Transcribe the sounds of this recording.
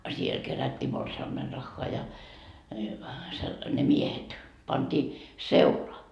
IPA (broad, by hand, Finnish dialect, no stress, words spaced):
siel kerætʲːiː morsiɑmːenrɑxːoɑ jɑ se ne miehet pɑnd̥iː seulɑ